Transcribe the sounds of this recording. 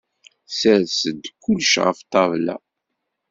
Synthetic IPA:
səɾsəd̪kʷːʊlʃʁə̰ft̪ˤɑvlæ̰

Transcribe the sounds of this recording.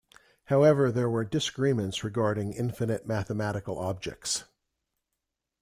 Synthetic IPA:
haʊɛvə˞ðə˞wə˞dɪsəɡɹimɨ̃ntsɹɨɡɑɹɾɪ̃ŋɪ̃ɱfɨnɨt̚mæθəmæɾɨkl̩ˠɑb̚d͡ʒɛ̰k̚ts

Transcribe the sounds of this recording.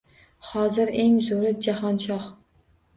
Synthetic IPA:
hɒzɪɾe̞ŋzoɾɪd͡ʒahɒnʃɒh

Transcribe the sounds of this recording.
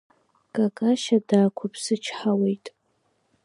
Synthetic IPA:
kʼakʼaʃadaːkʷʰapʰsɨt͡ʃʰħawejtʼ

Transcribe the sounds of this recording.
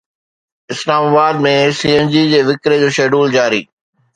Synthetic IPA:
ɪslaːmabaːd̪mẽsiːend͡ʑid͡ʑeːʋɪkɾed͡ʑoːʃeːɖuːld͡ʑaːɾḭː

